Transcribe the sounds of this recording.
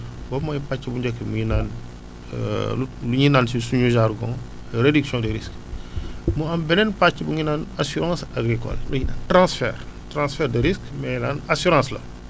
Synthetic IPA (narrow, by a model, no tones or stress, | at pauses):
bɔmɔjpat͡ʃːibuɲɟɛkːimuɲinaːn̰ | uluɲinaːnsisuɲuʒaɾɡɔ̰̃ | ɾediksjɔ̃deɾisk | muɐmbɛnɛnpacːibuɲinaːnasuɾãːsaɡɾikɔ̰lmuɲinaːntɾãsfɛ̰ːrtɾãsfɛːɾdeɾiskmɛnaːnasyɾãslɐ̰